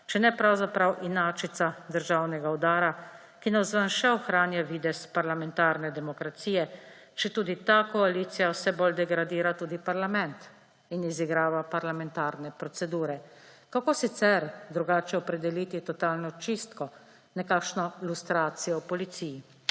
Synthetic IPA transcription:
t͡ʃɛnɛpɾawzapɾawʔinaːt͡ʃit̪sad̪əɾʒawnɛɡaud̪aːɾa | kinazʋanʃɛɔxɾaːnjaʋiːd̪ɛspaɾlamɛnt̪aːɾnɛd̪ɛmɔkɾat̪siːjɛ | t͡ʃɛt̪uːd̪it̪akɔaliːt̪sijawsɛbold̪ɛɡɾad̪iːɾat̪uːd̪ipaɾlamɛnt̪ | iniziɡɾaːʋapaɾlamɛnt̪aːɾnɛpɾɔtsɛd̪uːɾɛ | kakoːsit̪sɛɾd̪ɾuɡaːt͡ʃɛɔpɾɛd̪ɛliːt̪it̪ɔt̪aːlnɔt͡ʃist̪kɔ | nɛkaːkʃnɔilust̪ɾaːt̪sijɔwpɔlit̪siji

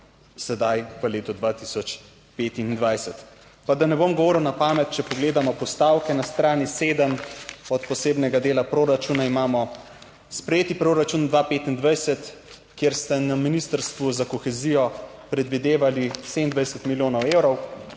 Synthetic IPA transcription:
sɛd̪ajʋəleːt̪ud̪ʋat̪isɔt͡ʃ | peːt̪ind̪ʋajsɛt̪ | pad̪anɛbomɡɔʋoːɾiwnapaːmɛt̪t͡ʃɛpɔɡleːd̪amɔpɔst̪aːwkɛnast̪ɾaːniseːd̪əmɔt̪pɔseːbnɛɡad̪eːlapɾoɾat͡ʃuːnaimaːmɔ | spɾɛjeːt̪ipɾoɾat͡ʃund̪ʋapeːt̪ind̪ʋajsɛt̪ | kjeɾst̪anaminist̪əɾst̪ʋuzakɔxɛzijɔpɾɛd̪ʋid̪eːʋaliseind̪ʋajsɛt̪miljoːnɔwewɾɔw

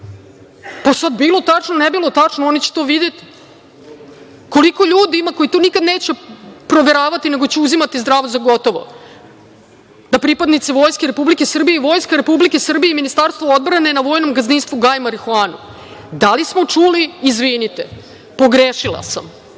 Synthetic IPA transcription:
pasad̪biːlˠo̞t̪at͡ʂnonebilˠot̪at͡ʂnoonit͡ɕe̥t̪oʋid̪et̪i̥ | ko̞liko̞ʎuːd̪iimako̞it̪onikad̪neːt͡ɕepɾo̞ʋeɾaːʋat̪ine̞ɡo̞t͡ɕeuzimat̪izd̪ɾaːʋozaɡo̞t̪o̞ʋo̰ | d̪̥apɾipad̪nit̪siʋo̞ːjskeɾepublikesr̩bijeiʋo̞ːjskaɾepublikesr̩bijeiminist̪aɾst̪ʋood̪̚bɾane̞naʋo̞jno̞mɡazninst̪ʋuɡajmaɾixoaːnṵ | d̪alismo̞t͡ʂuliːzʋinit̪e | po̞ɡɾeːʃilˠa̰sam

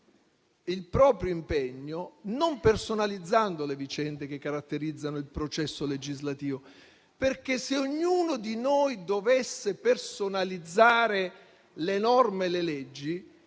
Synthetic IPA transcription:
ilpɾɔːpɾjoimpɛɲːonompersonalid̪zːand̪olevit͡ʃɛnd̪ek̟ekːaɾat̪ːeɾid̪zːanoilpɾot͡ʃɛsːoled͡ʒizlat̪iːvo | perkeseoɲːuːnod̪inojd̪ovesːepersonalid̪zːaːɾe | lenɔrmelelɛd͡ʒːi

